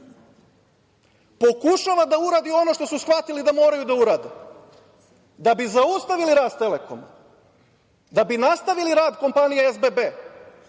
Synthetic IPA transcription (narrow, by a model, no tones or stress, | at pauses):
po̞kuʃaʋad̪auɾaːd̪io̞no̞ʃt̪o̞susxʋat̪ilid̪amo̞ːɾajud̪auɾaːd̪e | d̪abizaust̪aʋiliɾaːst̪e̞le̞ko̞̰ma | d̪abinast̪aʋiliɾaːd̪ko̞mpanijeezbebeː